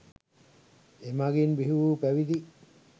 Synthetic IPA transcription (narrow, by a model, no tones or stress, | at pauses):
emaɡinbiɦuʋuːpæʋid̪i